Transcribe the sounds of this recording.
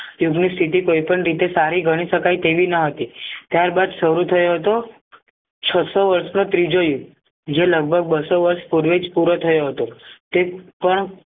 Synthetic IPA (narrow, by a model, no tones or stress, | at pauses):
juɡnist̪ʰit̪ikoipəɳɾit̪esaɾiɡʱəɽ̃iʃəkajt̪eʋinəɦət̪it̪jaɾbad̪ʃəɾut̪ʰəjoɦət̪o | t͡ʃʰəsoʋəɾsnot̪ɾid͡ʒojuɡ | d͡ʒeləɡ̚bʱəɡ̚bəsoʋəɾʃpuɾʋed͡ʒpuɾot̪ʰəjoɦət̪ot̪epəɳ